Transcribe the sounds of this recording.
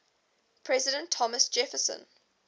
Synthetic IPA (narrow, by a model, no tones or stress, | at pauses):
pʰɹɛzɪdə̃ntʰːɔməsd͡ʒɛfəsə̰̃n